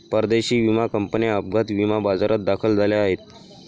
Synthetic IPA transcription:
pəɾd̪eɕiːʋimakəmpəniəp̚ɡʱat̪ʋimabad͡zaɾat̪̚d̪akʰəld͡zaljaːɦet̪

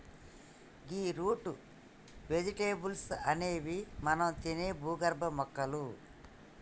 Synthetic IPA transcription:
ɡiːɾuːʈu | ʋed͡ʒiʈeːbulsɐneːʋimɐnɐmt̪ineːbuːɡɐɾbɐmɔkːɐlu

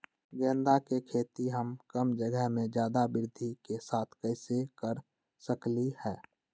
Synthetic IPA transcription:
ɡɛ̃ːnd̪akekʰeːt̪iɦəmkəmd͡ʒəɡəɦmẽd͡ʒjaːd̪abɪɾɪd̪ʱikesaːt̪ʰkɛːsekəɾ | səklihɛː

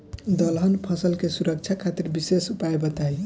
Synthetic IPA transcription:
d̪əlɦənpʰʌsəlkesuɾək̚t͡ʃʰakʰat̪iɾbisesupaebət̪aj

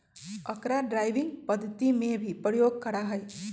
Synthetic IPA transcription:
əkɾaɖɾajbiŋɡpəd̪ʱːət̪imebʱipɾəjoɡ̚kəɾaɦəj

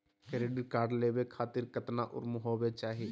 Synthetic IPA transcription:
keɾeːɖəɾkaːɾɖleːwekʰaːt̪ɪɾkət̪naʔʊ̰ɾmʊɦoːwet͡ʃaːɦiː

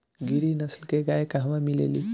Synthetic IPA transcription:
ɡiɾinəslkeɡajkaɦʋamilḛli

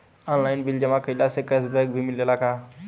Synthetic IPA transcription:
ɔːnlaːɪnbɪld͡ʒəmãkəilasekəsbɛɡ̚bʱimɪljelakʰaː

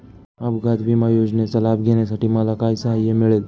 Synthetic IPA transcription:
abɡad̪bimajoːd͡ʒnet͡salaːb̚ɡʱenesaʈʰimalakaːjsəɦajːemɪɭel

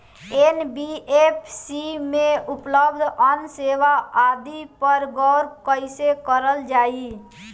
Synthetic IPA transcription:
enbiepsimẽʊpləbd̪ʱənseːʋaaːd̪ipəɾɡɔːɾkəɪsekəɾəld͡ʒaːi

